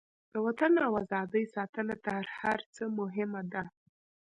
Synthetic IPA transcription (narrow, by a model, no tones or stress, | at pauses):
d̪̥əwat̪anawazɑd̪əjsɑt̪ənat̪aɾhaɾt͡səmʊɦɪmad̪a